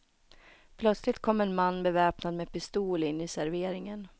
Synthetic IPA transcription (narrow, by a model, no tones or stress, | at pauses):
pʰlœt̪slɪt̪̚kʰɔmːɛnmanːbɛvɛːpnad̪meːd̪pɪst̪uːlɪnːɪsæɾveːɾɪŋən